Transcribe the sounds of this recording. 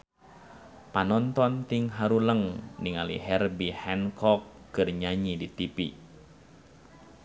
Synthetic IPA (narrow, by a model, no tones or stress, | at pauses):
panɔnt̪ɔnt̪iŋɦaɾuləŋniŋalḭɦɛrbihɛnkɔkːɨrɲaɲidit̪ipi